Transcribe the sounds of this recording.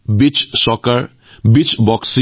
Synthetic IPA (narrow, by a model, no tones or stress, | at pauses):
bit͡ʃsɔkəɾ | bit͡ʃbɔksi